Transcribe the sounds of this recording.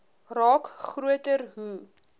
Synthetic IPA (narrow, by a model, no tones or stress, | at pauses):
rɑːkχruətərɦu